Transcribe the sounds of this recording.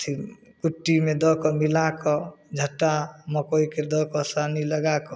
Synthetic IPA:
t̪ʰi | kuʈːimẽd̪ɔkɔmilakɔd͡ʒʱəʈːamɔkoiked̪ɔkɔsaniləɡakɔ

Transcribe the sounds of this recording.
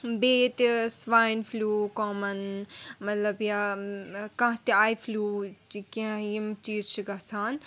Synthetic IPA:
beːjt̪isʋaːjnfʰluːkoːmɐnmɐt̪lɐbja | kãɦt̪iaːjfʰluːikijimt͡ʃiːzt͡ʃʰiɡɐsaːn

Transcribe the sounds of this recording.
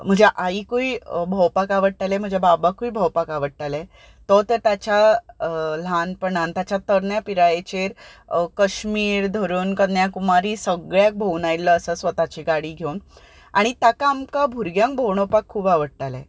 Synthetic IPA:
m̤əd͡ʑaʔaikuibʱəwpakaʋəɽ̚ʈalem̤əd͡ʑababakuibʱəwpakaʋəɽʈ̪ale | t̪ɔt̪əɾt̪at͡ɕa | lanpəɳant̪jat͡ɕat̪əɾɳjapiɾajet͡ɕeɾkəɕmiːɾd̪ʱəɾuːnkəjakumaɾiːsəɡɭjak̚bʱownajlːəəsəsʋət̪at͡ɕiɡaɽiːɡʱeun | aɽ̃it̪akaːmkabʱuɾɡjãŋk̚bʱowɳɔpakʰːuːbaʋəɽ̚ʈ̪alḛ

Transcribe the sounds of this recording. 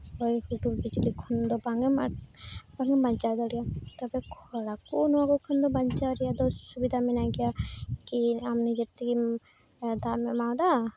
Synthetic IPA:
ɔjhuʈulbid͡ʒɾikʰɔnd̪ɔbaŋɛmabaŋɛmbaɲt͡ʃad̪ɔɾijat̪ɔbɛkʰɔɽakunɔaɡɔkʰɔnd̪ɔbaɲt͡ʃaɾijad̪ɔsubid̪ʱamɛnaɡɛjakiamnid͡ʒeɾt̪ʰiɡi | d̪amɛmawd̪a

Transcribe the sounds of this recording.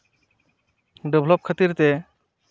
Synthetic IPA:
ɖebʱlɔp̚kʰət̪iɾt̪ɛ

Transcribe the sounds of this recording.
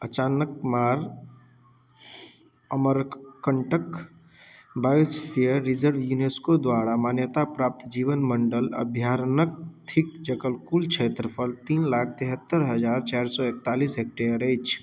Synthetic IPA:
ət͡ʃaːnəkmaːɾ | əməɾkəɳʈək | baːispʰijəɾːid͡ʒəɾʋjuneskod̪waːɾamaːnjət̪apɾaːp̚t̪d͡ʒiːʋənməɳɖələ̰bʱjaːɾnək̚t̪ʰikd͡ʒəɡəlkuːlt͡ʃʰet̪ɾəpʰəɾt̪iːnlaːk̚ʰt̪iɦət̪ːəɾɦəd͡ʒaːɾt͡ʃaɾsɔek̚t̪aːliːsɦek̚ʈeəɾəjt͡ʃʰ

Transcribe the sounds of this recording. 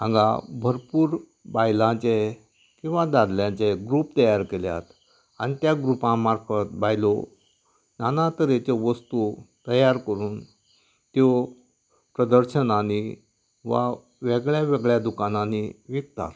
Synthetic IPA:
ãŋɡa̰bʱəɾpuːɾ | bajlãt͡ɕe | kĩw̃ʋad̪ad̪ljãt͡ɕeɡɾuːpt̪əjaɾkelja̰t̪ | añit̪jaɡɾupãmaɾfət̪̚bʱajlɔ | nanãt̪əɾet͡ɕeʋəst̪ut̪əjaɾkəɾuːn | t̪jo | pɾəd̪əɾɕənani | ʋa̰ | ʋeɡɭjaʋɛɡɭjad̪ukanãniʋik̚t̪a̰t̪

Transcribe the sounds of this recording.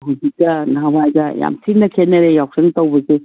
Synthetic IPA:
ɦuzik̚tɐnaabajzɐja̰msʰinːɐkʰenɐɾejaw̚seŋtɐwbɐse

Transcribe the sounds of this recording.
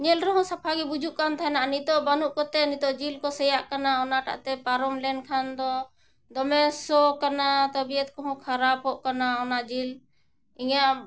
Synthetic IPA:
ɲɛlɾɔɦɔ̃sapʰaɡɛbud͡ʒuʔkant̪ʰaɛnaʔnit̪ɔʔbanuʔkɔt̪ɛnit̪ɔʔd͡ʒilkɔsɛjaʔkanaɔnaʈa̰ʔt̪ɛpaɾɔmlɛnkʰand̪ɔ | d̪ɔmɛsɔkanat̪əbijət̪̚kɔɦɔ̃kʰaɾapɦɔʔkanaɔnad͡ʒil | iɲaʔ

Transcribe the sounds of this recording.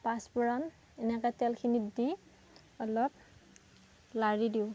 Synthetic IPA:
paspɔɹɔn | ɛnɛkatɛlkʰinidi | ɔlɔp̚ | laɹidiʊ

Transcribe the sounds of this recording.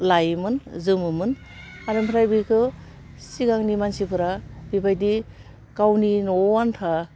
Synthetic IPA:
lajmɯnzɯmɯmɯn | aɾampʰɾajbikʰɯ | siɡaŋnimansipʰɯɾabibʰajdi | kawninɔwantʰa

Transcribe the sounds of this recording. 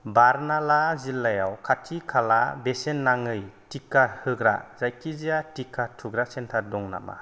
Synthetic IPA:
baɾnalazilːajawkʰatʰikʰala̰besenːaŋɯjtikːahɯɡɾa̰zajkʰizijatikʰːatʰuɡɾasentʰadɔŋna̰ma̰

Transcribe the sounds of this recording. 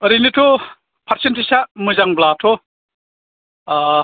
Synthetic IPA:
ɐɾinitʰɔ | pʰaɾsentʰisamɯzaŋblatʰɔ

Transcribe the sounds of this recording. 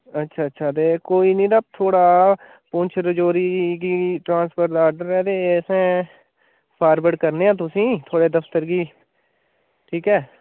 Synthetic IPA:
ətːʃʰaːətːʃʰaːt̪̬eːkoːiːnĩːd̪at̪ʰːoːɽaː | pʊ̃nt͡ʃʰɾəd͡ʒoːɾiːkiːʈɾãːnspʰəɾd̪aːɾɖəɾɛːd̪eːsɛ̃ː | pʰaːɾbəɽkəɾneːãːt̪̬ʊsĩːt̪ʰoːɽeːd̪əfʰt̪əɾɡiː | ʈʰiːkɛː

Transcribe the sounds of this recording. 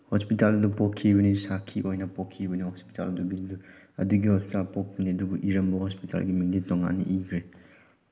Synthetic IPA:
hospitaldupɔkʰːibɐnisakʰːiʔojnɐpokʰːibɐnihɔspi̥ta̰lduɡidu | ɐ̰duɡihospitalpɔk̚biniɐduɡuʔiɾɐmbɐhospitʰa̰lɡimiŋditɔŋːa̰nːḭʔikʰɾe

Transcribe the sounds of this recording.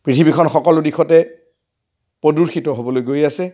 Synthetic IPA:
pɹitʰibikʰɔnxɔkɔlʊdixʰɔtɛ | pɹoduɹxitɔɦobɔlojɡojasɛ

